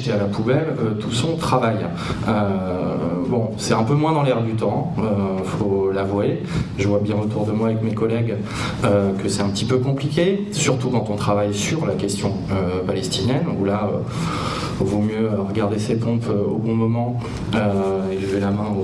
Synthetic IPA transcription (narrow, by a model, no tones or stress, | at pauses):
t̪ɛalapubɛløt̪ʰu̥sɔ̃t̪χavaj | ø | bɔ̃sɛt̪ɛ̃pømwɛ̃d̪ɑ̃lɛʁd̪yt̪ɑ̃ø | folavwae | ʒəvwabjɛ̃ot̪uʁd̪əmwaːvɛkmekɔlɛɡ | økəsɛt̪ɛ̃pət̪ipøkɔ̃plikʲe | syʁt̪ukɑ̃t̪ɔ̃t̪χavajsyʁlakʲɛst̪jɔ̃ | øpalɛst̪injɛnulaø̰ | vomjøʁəɡaʁd̪esepɔ̃pøo̰bɔ̃mɔmɑ̃ | øeləvelamɛ̃o